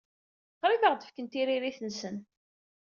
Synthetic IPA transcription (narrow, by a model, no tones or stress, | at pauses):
qɾivəʁd̪ə̥fkənt̪iɾiɾiθənsən